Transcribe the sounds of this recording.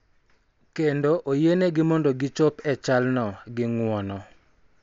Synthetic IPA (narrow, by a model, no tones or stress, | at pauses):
kendoʔojeneɡɪmɔndoɡɪt͡ʃɔpɛt͡ʃalnɔɡɪŋwɔnɔ